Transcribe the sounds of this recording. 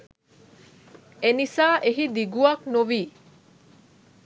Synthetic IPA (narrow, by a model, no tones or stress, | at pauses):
enisaːʔeɦid̪iɡuɐknuʋiː